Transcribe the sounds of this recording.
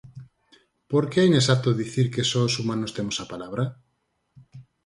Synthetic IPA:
poɾkeainesat̪oðiθiɾkesosumãnost̪emosapalaβ̞ɾa

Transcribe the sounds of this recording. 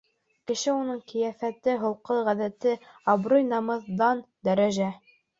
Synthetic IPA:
kɘ̆ʃɘunɤɴkɘ̆jæfæt̪ɘɦŏlˠqɤʁæðæt̪ɘ | ɑbɾojnɑmɤ̆ðːɑn | d̪æɾæʒæ

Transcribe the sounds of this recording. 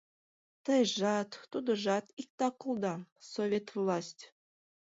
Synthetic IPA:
t̪əjʒɑt̪ːud̪ə̆ʒɑt̪ik̚t̪ɑkulˠd̪ɑsovʲet̪vlˠɑsʲtʲ

